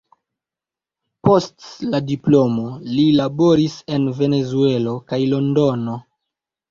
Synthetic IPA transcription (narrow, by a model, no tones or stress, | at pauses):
po̞stladiplo̞mo̞lilabo̞ɾise̞nve̞ne̞zue̞lo̞kajlo̞ndo̞no̞